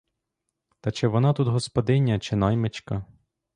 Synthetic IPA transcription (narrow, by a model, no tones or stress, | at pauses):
t̪ɐt͡ʃɛʋɔnɑt̪ut̪ɦɔspɔd̪ɪnʲːɐt͡ʃɪnɑjmet͡ʃkɐ